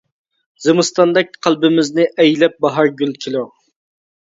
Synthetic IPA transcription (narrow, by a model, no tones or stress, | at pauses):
zemɨst̪ɑnd̪ɛk̚ʲqʰælˠbɪmɪznɪʔɛjlɛp̚bɑɦɑɾɡʲylkʲʰelu